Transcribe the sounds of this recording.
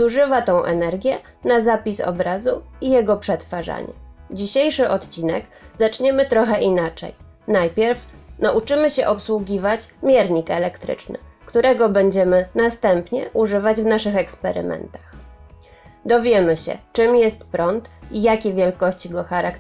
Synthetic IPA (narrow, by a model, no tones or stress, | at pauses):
zuʐɘvat̪ɔ̃w̃ʔɛ̰nɛɾɡʲjɛ | nazapʲisɔ̰bɾazuijɛɡɔpʂɛt̪faʐa̰ɲɛ̰d͡ʑiɕejʂɘʔɔt̪t͡ɕinɛ̰ɡzat͡ʂɲɛmɘt̪ɾɔxɛʔinat͡ʂɛ̰j | najpʲjɛɾfnaʔut͡ʂɘmɘɕɛʔɔpswuɡʲivat͡ɕmʲjɛɾɲikɛlɛkt̪ɾɘ̰t͡ʂnɘ̰kt̪uɾɛɡɔbɛɲd͡ʑɛmɘnast̪ɛmpɲɛ̰ʔuʐɘvad͡ʑvnaʂɘxɛkspɛɾɘ̰mɛ̰nt̪ax | d̪ɔvʲjɛmɘɕɛ̰t͡ʂɘmjɛst̪pɾɔnt̪ijakʲɛvʲjɛlkɔɕt͡ɕiɡɔxaɾak